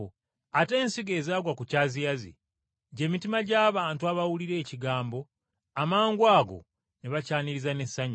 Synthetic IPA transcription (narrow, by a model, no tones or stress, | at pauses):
ate̞ːnsiɡe̞ːzaːɡwakucazijazḭ | ɟe̞mitimaɟaːβaːntuaβawuliɾe̞ːciɡaːmbo̞ | amaːŋɡwaːɡo̞̰ | neβacaːniɾizane̞sːaɲ